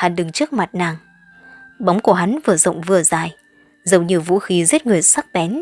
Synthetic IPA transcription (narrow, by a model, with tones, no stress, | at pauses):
haː˨˩nɗɨ˨˩ŋt͡ɕɨ˦˥ək̚ma˨˩t̚naː˨˩ŋ | ɓa˨˦wŋ͡mku˧˩əɦa˨˦nvɨː˨əzə̰˧˨wŋ͡mvɨ˨˩əzaː˨˩j | zə˨˩wɲi˨˩əwvṵ˧˥xi˨˦zi˦˥t̚ŋɨ˨˩əsa˦˥k̚ɓɛ˨˦n